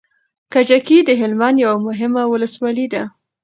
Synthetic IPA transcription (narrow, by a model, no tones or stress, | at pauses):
kad͡ʒakid̪əɦɪlmanjawamʊɦɪmawʊləswɑlid̪a